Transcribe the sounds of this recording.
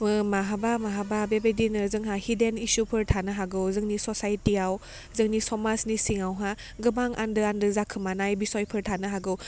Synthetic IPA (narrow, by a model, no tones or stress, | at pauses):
maɦabamaɦababebedinɯzɯŋɦahidenisupʰɯɾtʰanɯɦaɡɯwzɯŋnisɔsajtiaw | zɯŋnisɔmasnisiŋawɦa | ɡɯbaŋʔa̰ndɯandɯzakʰɯmanajbisɔjpʰɯɾtʰanɯɦaɡɯw